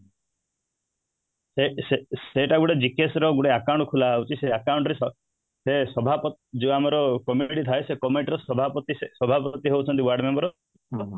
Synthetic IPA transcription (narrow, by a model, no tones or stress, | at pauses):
seseseʈaɡuɽed͡ʒikesɾɔɡuɽeakawɳʈkʰulaut͡ʃʰiseakawũɳʈɔɾesɔ | sesɔbʱapɔd͡ʒeamɔɾɔkɔmiʈit̪ʰaesekɔmeʈɾɔsɔbʱapɔt̪isesɔbʱapɔt̪iɦowt͡ʃʰɔnt̪iwaɾɖmembɔɾɔ